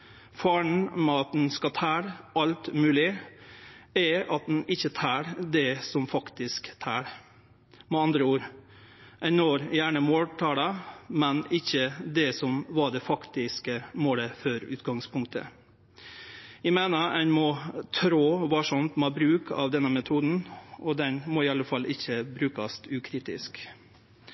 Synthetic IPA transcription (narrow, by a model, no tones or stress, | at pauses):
fɑːɳ̩mɛɑt̪̚d̪n̩skɑt̪ʰæːɾʔɑlt̪mʉːlɪ | ɛɑt̪̚d̪ɛn̩ʔɪçːət̪ʰæːɾd̪ɛsɔmfɑkt̪ɪskt̪ʰæːɾ | mɛɑnd̪ɾəuːɾ | ʔæɪnoːɾjæːɳəmoːlʈ̪ʰɑːləmɛnɪçːəd̪ɛsɔmʋɑɖɛfɑkt̪ɪskəmoːləfœɾʉ̰ːt̪ɡɑŋspʊŋk̚t̪ə̰ | æmeːnəænmɔt̪ʰɾoːʋɑːʂɔnt̪mɑbɾʉːkʰɑ̰ʋd̪ɛnːəmɛt̪ʰuːd̪n̩ʔɔd̪ɛnmɔɪɑləfɑlːʔɪçːəbɾʉːkɑst̪ʉːkʰɾiːt̪ɪ̰sk